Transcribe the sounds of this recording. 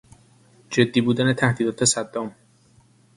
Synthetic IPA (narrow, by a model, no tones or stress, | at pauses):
d͡ʒe̞d̪ːiːbuːd̪æne̞t̪ʰæhd̪iːd̪ɒːt̪ʰe̞sæd̪ːɒːm